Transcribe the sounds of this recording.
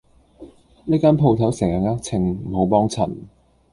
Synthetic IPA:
niː˥kaː˥npʰo˧wt̪ʰɐ˨˥wsɛː˨˩ŋaː˨˩ŋaː˥k̚t͡sʰɪ˧ŋm̩˨˩ɦo˨˥wp̬ɔː˥ŋt͡sʰɐ̰˨˩n

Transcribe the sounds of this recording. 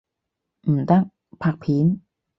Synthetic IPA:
ʔ̩˨˩t̪a˥˩ŋ | pʰa˧˩k̚pʰiː˨˦n

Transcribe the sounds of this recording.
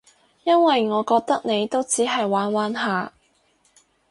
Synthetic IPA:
jɐ˥nwɐ˨jŋɔː˨˧kɔː˧k̚t̪ɐ˥k̚ne˨˧jt̪o˥wt͡siː˨˥ɦɐ˨jwaː˨˥nwaː˨˥nɦaː˨˧

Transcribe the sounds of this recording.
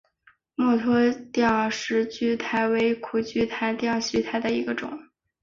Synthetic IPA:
mɔ˥˩t̪ʰwɔ˥t̪jɑ˥˩ŋ˨ʂɻ̩˧˥t͡ɕy˥˩t̪ʰa˧˥ɪwe˧˥ɪkʰu˨˩t͡ɕy˥˩t̪ʰa˧˥ɪt̪jɑ˥˩ŋɕy˥t̪ʰa˧˥ɪd̪ə˧i˧˥ɡə˧ʈ͡ʂʊ̰˨˩˦ŋ

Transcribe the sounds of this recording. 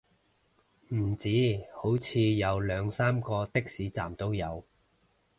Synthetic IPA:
m̩˨˩t͡siː˨˥ho˨˥wt͡sʰiː˨˧jɐ˨˧wlœː˨˧ŋsaː˥mkɔː˧t̪ɪ˥k̚siː˨˥t͡sa̰ː˨˩mt̪o˥wjɐ˨˧w

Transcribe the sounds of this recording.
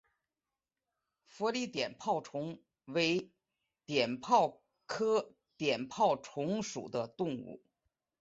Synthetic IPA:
fɔ˧˥li˥˩t̪jɛ˨˩npʰɑ˥˩ʊʈ͡ʂʰʊ˧˥ŋ | we˧˥ɪ | t̪jɛ˨˩npʰɑ˥˩ʊ | kʰɤ˥ | t̪jɛ˨˩npʰɑ˥˩ʊʈ͡ʂʰʊ˧˥ŋʂṵ˨˩d̪ə˦t̪ʊ˥˧ŋṵ˥˩

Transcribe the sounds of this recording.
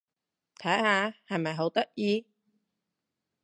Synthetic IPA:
t̪ʰɐ˨˥jhaː˨˧hɐ˨jmɐ˨jɦo˨˥wt̪ɐ˥k̚jiː˧

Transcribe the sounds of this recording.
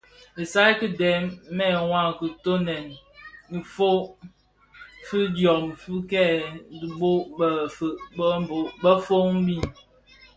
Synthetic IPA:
e˨sa˦i˦kɨ˦dɛ˨˦mː˦ɛ˦˨wʷa˦˨ŋ˨ku˨to˦nɛ˨n | i˨fo˦ | fi˦djɔ˨mfu˦kɛ˦˨di˦bo˦bə˨fbbo˨˦bə˦fo˦ŋm̩˦bi˦˨n

